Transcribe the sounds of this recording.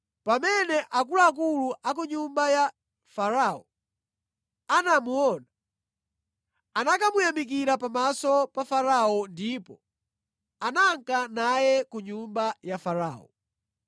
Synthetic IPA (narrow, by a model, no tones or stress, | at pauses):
pamɛnɛʔak̬ulaːk̬uluʔak̬uɲumbaja | faɾaɔ | anamuɔna | anakamujamik̬iɾapamasɔpafaɾaɔndipɔ | anaŋkanajɛkuɲumbajafaɾa̰ːɔ̰